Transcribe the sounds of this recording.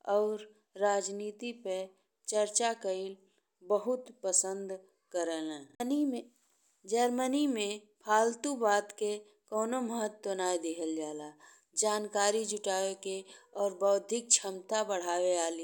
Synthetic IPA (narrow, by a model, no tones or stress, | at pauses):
ɔːɾː | aːd͡ʒniːt̪ipə | t͡ʃəɾt͡ʃakəɪl | bəɦʊt̪pəsə̃nd̪ | kəɾəlɦɛ̃ːnime | d͡ʒəɾmənimẽ | pʰaːlt̪ubaːt̪ke | kɔːnoməɦət̪wənaːjd̪ekʰəld͡ʒaːla | d͡ʒaːnkaːɾid͡ʒʊʈaːʋekeɔːɾbəʊd̪ʱɪk̚t͡ʃʰəmt̪abəɽ̤aːweaːli